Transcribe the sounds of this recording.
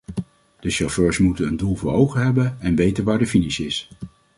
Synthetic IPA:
d̥əʃɔføːɹsmutənəndulˠvʊːɹowχənɦɛbənɛnʋejtənʋaːɹdəfinɪsɪs

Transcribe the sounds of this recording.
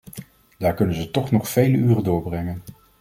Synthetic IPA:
d̥aːɹkɵnənzətɔχnɔχfejləyːrədʊːɹbrɛŋən

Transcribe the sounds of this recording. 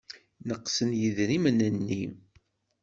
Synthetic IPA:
nəqsənjiðɾimənænːi

